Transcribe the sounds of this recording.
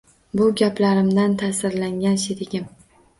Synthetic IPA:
bʊɡʲaplaɾɪmd̪ant̪ʰasɪɾlaŋɡʲanʃet̪ɪɡʲɪm

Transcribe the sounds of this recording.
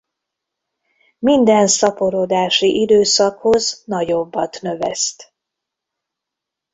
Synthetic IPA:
mind̪ɛnsɒpo̞ɾod̪aːʃiʔid̪øːsɒkho̞znɒɟo̞bːɒt̪nø̞vɛ̰st̪

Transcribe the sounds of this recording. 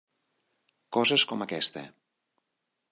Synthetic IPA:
kɔzeskɔmakɛst̪ḛ

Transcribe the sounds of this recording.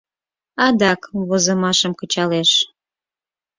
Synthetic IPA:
ɑd̪ɑkβozəmɑʃəmkət͡ɕɑleʃ

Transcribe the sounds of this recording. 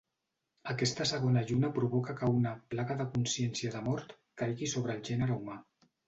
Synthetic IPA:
əkɛst̪əsəɣ̞onəʒunəpɾuβɔkəkəunəplaɣəðəkunsjɛnsiəðəmɔɾt̪ | kajɣisoβ̞ɾəːlˠʒɛnəɾəuma

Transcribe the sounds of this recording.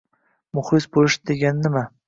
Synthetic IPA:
mʊχlɪsbolɪʃd̪eɡʲanːɪma

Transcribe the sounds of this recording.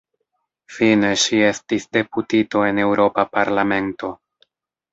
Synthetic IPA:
fine̞ʃie̞stisde̞putito̞e̞ne̞wɾo̞papaɾlame̞nto̞

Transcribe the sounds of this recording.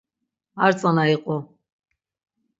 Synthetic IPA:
aɾt͡sʼanaiqʼɔ

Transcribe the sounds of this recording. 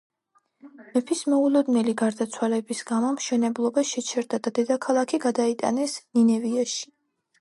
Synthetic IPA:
mɛpʰismɔulˠɔd̪nɛliɡaɾd̪at̪sʰwalɛbisɡ̥amɔmʃɛnɛblˠɔbaʃɛt͡ʃʰɛɾd̪ad̪ad̪ɛd̪akʰalˠakʰiɡad̪ait̪ʼa̰nɛsninɛviaʃi̥

